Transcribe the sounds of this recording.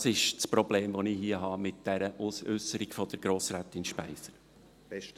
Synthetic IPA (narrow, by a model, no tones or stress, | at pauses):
sɪʃt͡spɾɔb̥leːmʋɔnɪhiəɦɑmɪt̚d̥ɛɾəʔusʏsəɾiɡ̥fɔd̪̥əɾɡɾoːsɾæt̪ɪnʃpæɪsəɾ